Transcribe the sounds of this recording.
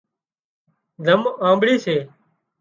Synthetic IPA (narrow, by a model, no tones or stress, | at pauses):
zəmãːmbɽiːseː